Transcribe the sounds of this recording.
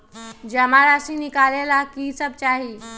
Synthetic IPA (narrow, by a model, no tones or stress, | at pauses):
d͡ʒəmaɾasinikalelakisəb̚t͡ʃaːɦi